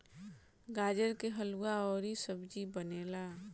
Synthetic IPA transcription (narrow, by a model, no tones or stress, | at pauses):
ɡaːd͡ʒəɾkeɦəluaɔːɾisəbd͡ʒibəneːlaː